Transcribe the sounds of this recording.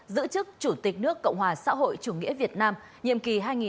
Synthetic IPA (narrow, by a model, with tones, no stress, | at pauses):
zɨ̰˧˥t͡ɕɨ˦˥k̚t͡ɕu˧˩t̪ï˨˩k̟̚nɨ˦˥əkːə̰˧˨wŋ͡mhwaː˨˩sa̰ː˧˥ɦo̰˧˨jt͡ɕu˧˩ŋḭ˧˥əvi˨˩ət̚naː˧m | ɲḭ˧˨əmki˨˩ɦaː˧jŋi˨˩